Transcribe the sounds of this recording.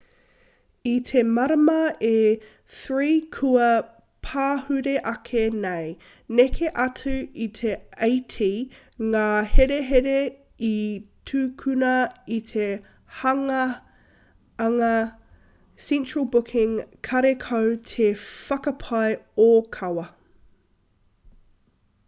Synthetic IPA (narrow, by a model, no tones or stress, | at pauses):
itʰemɐɾɐmɐe | θɹiːkʰuɐ | pʰaːhʉɾeʔɐkʰenej | nekʰeʔɐtʰʉitʰeejtʰi | ŋaːheɾeɦeɾe | itʰʉːkʰʉnɐitʰe | hɐŋɐ | ŋɐ | sɛ̃nt͡ʃɹəlˠbʊkʰɪ̃ŋkʰɐɾekʰowtʰefɐkɐpʰɐjokʰɐwɐ